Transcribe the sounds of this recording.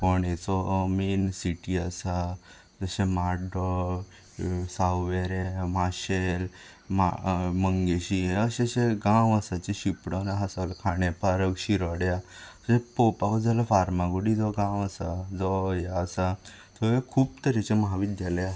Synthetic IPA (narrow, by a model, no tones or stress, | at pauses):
pɔɳet͡sɔminsiʈiasa | d͡zəɕemaɖɔ | sawʋeɾemaɕel | ma̰məŋɡeɕieəɕeɕeɡãwəsat͡ɕeɕipɽɔnaɦasalkʰaɳepaɾəɡɕiɾaɽja | ɕẽpopakɔd͡zʱalafaɾmaɡuɽid͡zɔɡãwəsad͡zɔjaːsa | t̪ʰɔekʰuːpt̪əɾet͡ɕeməɦaʋid̪jalja